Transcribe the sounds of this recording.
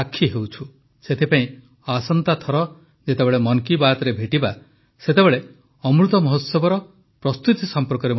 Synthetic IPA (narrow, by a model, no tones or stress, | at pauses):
akʰːiɦewt͡ʃʰu | set̪ʰipaĩ | asɔnt̪at̪ʰɔɾɔ | d͡ʒet̪ebeɭemɔŋkibat̪ɔɾebʱeʈiba | set̪ebeɭe | ɔmɾut̪ɔmɔɦot̪sɔbɔɾɔ | pɾɔst̪ut̪isɔmpɔɾkɔɾem